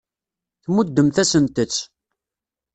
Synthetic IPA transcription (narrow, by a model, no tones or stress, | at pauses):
θmud̪ːəmθæsənt̪ət͡sː